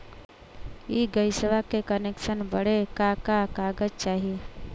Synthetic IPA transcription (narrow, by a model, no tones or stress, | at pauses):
iɡəjsəʋakekəneksənbəɽekakakaɡəd͡ʒt͡ʃaːɦie